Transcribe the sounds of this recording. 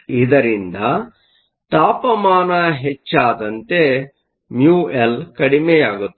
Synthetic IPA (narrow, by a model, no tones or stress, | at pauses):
id̪ɐɾind̪ɐ | t̪aːpɐmaːnɐɦet͡ʃːaːd̪ɐnt̪e̞ | mjuːelkɐɽimeːjaːɡut̪ː